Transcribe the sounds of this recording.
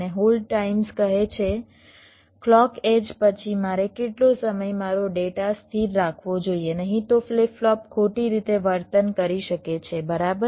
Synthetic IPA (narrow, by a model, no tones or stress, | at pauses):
neɦolɖʈaimskəɦet͡ʃʰe | klɔked͡ʒpət͡ʃʰimaɾekeʈlosəməjmaɾoɖeʈast̪ʰiɾːakʰʋod͡ʒoienəɦĩt̪ofleflɔp̚kʰoʈiɾit̪eʋəɾt̪ənkəɾiʃəket͡ʃʰebəɾabə